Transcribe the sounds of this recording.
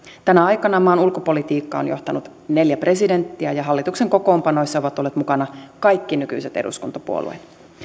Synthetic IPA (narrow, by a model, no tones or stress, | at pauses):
t̪ænæɑjkɑnɑmɑːnulkopo̞lit̪iːkːɑo̰njo̞̰ht̪ɑnut̪ | ne̞ljæpre̞side̞nt̪ːiæjɑɦɑlːit̪ukseŋko̞ko̞ːmpɑno̞jsːɑoʋɑt̪olːet̪mukɑnɑkɑjkːinyky̰jset̪e̞̰dṵskunt̪ɑpṵo̰lṵḛt̪